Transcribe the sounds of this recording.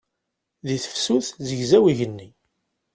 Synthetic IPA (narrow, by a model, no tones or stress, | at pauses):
ðiθə̥fsuθzəʝzæwiʝənːi